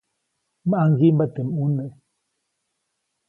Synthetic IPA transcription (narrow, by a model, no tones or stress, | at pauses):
maaŋ̩ɡim̩batəmunə